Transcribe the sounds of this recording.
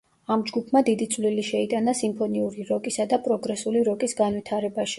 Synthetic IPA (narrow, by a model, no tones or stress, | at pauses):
amd͡ʒɡupʰmad̪id̪it̪sʼvliliʃɛit̪ʼanasimpʰɔniuɾiɾɔkʼisad̪apʼɾɔɡɾɛsuliɾɔkʼisɡanvit̪ʰaɾɛbaʃi̥